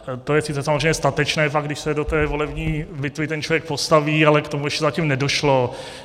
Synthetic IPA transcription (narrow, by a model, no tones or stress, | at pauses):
t̪ojɛsɪt͡sɛsamozrejmɲɛst̪at̪ɛt͡ʃnɛːfaɡdɪʃsɛdot̪ɛːvolɛvɲiːbɪt̪vɪt̪ɛnt͡ʃlovjɛk̚po̞st̪aviːalɛkt̪omujɛʃcɛzacimnɛdo̞ʃlo